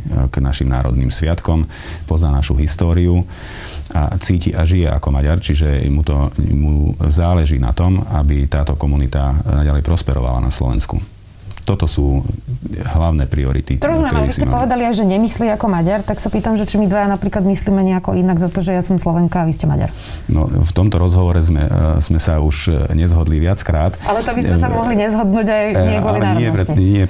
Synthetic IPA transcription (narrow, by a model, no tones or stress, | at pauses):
ɡ̥naʃimna̰ːɾɔ̰d̪niːmsʋɪat̪kɔm | pɔznaːnaʃuɦist̪ɔːɾiu | a̰t͡siːciʔaʒijɛʔa̰kɔmaɟaɾt͡ʃiʒɛmut̪ɔmuzaːlɛʒiːna̰t̪ɔmabit̪aːt̪ɔkɔmunit̪anaɟalɛjpɾɔspɛɾɔ̰ʋa̰la̰na̰slɔ̰ʋɛ̰nskṵ | t̪ɔt̪ɔsuː | ɦlaʊnɛːpɾiɔɾḭt̪it̪ɾɔmaɾɛmiisicɛmpɔʋɛd̪aliajʒɛɲɛmisliːakɔmaɟaɾt̪aksapiːt̪amʒɛt͡ʃimid̪ʋajanapɾiːklad̪misliːmɛɲɛakɔʔinaɡzat̪ɔʒɛjasɔmslɔʋɛŋkaːʋiscɛma̰ɟa̰ɾ | nɔ̰ft̪ɔmt̪ɔɾɔzɦɔʋɔɾɛzmɛ̰z̥mɛsauʒɲɛzɦɔd̪liʋɪat͡skɾaːt̪alɛt̪ɔbizmɛsamɔɦliɲɛzɦɔd̪nuːɟajɲɪɛɡɔalilɛaɲɛɛiɲɪɛ